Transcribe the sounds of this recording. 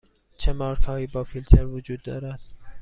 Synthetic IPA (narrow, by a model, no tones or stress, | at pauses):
t͡ʃʰemɑːɾkhɒːjibɒːfilt̪ʰeɾvud͡ʒuːd̪ːɒːɾæd̪̥